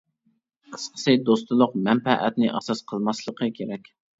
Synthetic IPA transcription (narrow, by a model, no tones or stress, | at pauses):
qʰə̥sqʰə̥sɨd̪ost̪ɨlˠʊqmɛnpɛʔæ̰t̪nɪʔɑ̰sɑsqʰəlˠmɑslˠəqʰəkʲʰeɾɛkʲ